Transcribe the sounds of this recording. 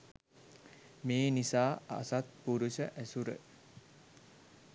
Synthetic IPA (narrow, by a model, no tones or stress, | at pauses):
meːnisaːa̰sat̪̚puɾusəʔæsuɾə̰